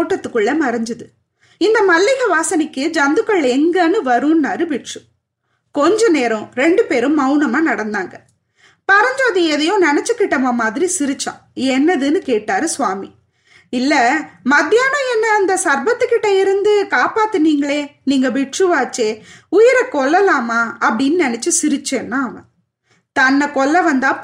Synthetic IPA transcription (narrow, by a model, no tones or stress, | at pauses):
oːʈːɐt̪ːɯkːɯɭːɐmɐɾɐɲd͡ʒɯðɯ | ɪnd̪ɐmɐlːɪɣɐʋaːsɐnɪkːɯd͡ʒɐnd̪ɯkːɐɭɛŋɡɐnɯʋɐɾɯ̃nːaːɾɯbɪʈʂɯ | kɔɲd͡ʒɐneːɾɔ̃ɾɛɳɖɯpeːɾɯ̃mːɐʊnɐmaːnɐɽɐnd̪aːŋɡɐ | pɐɾɐɲd͡ʒoːðɯɛðɐjʊ̃nɛnɐt͡ʃːɯkːɪʈːɐmaːmaːðɪɾisɪɾɯt͡ʃːã̰ːɛnːɐðɯnɯkeːʈːaːɾɯsʊʋaːmi | ɪlːɐmɐd̪jaːnɐ̃ɛnːɐːnd̪ɐsɐɾbɐt̪ːɯkːɪʈːɐɪɾɯnd̪ɯkaːpaːt̪ːɯniːŋɡɐɭeːniːŋɡɐbɪʈʂɯʋaːt͡ʃːeːʊjɪɾɐkɔɭːɐlaːmaːɐpːɐɽɪnːɯnɛnɛt͡ʃːɯsɪɾɯt͡ʃːenːãːɐʋɐ̰̃ | t̪ɐnːɐkɔɭːɐʋɐnd̪aː